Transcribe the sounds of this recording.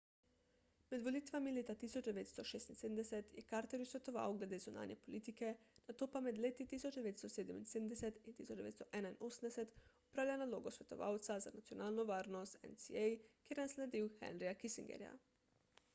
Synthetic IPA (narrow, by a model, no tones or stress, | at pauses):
mɛd̪ʋoliːt̪ʋamileːt̪at̪isɔd͡ʒd̪ɛʋeːt̪st̪ɔʃeːst̪insed̪nd̪ɛsɛt̪jɛkaːɾt̪ɛɾjusʋɛt̪ɔʋa̰wɡlɛd̪eːzuna̰ːnjɛpolit̪ikɛnat̪oːpamɛd̪leːt̪it̪isɔt͡ʃd̪ɛʋeːt̪st̪ɔseːd̪ɛminseːd̪ənd̪ɛsɛt̪int̪isɔt͡ʃd͡ʒd̪ɛḛt̪st̪ɔʔɛːnainosən̩d̪ɛsɛt̪ɔpɾaːwlʲanaloːɡɔsʋɛt̪ɔ̰ʋa̰wt̪sazanat̪sijɔnaːlnɔʋaːɾnɔst̪ɛ̰nsiɛjkeːɾnanslɛd̪iwxɛ̰nɾijakisiŋɡɛ̰ɾja̰